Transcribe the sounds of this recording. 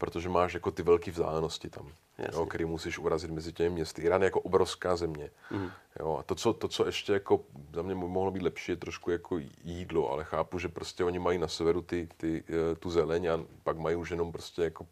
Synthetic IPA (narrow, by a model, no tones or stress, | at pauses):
pɾot̪oʒɛmaːʃjako̞t̪ɪvɛlkiːvzd̪a̰ːlɛnoscɪt̪a̰m̰ | jokk̪ɛɾiːmusiʃʔuɾazɪd̪mɛzɪcɛmɪmɲɛst̪ɪʔɪɾaːnjɛjakoʔobɾo̞fskaːzɛmɲɛ | jo̰ːa̰t̪ot͡sot̪ot͡soʔɛʃcɛjako̞zamɲɛmoɦlobiːd̪lɛpʃiːjɛt̪ɾoʃkujakʰojiːdloʔa̰lɛxaːpuʒɛpɾoscɛo̞ɲɪmajiːnasɛvɛɾut̪ɪt̪ɪt̪uzɛlɛɲapaɡmajiuʃjɛnompɾoscɛjako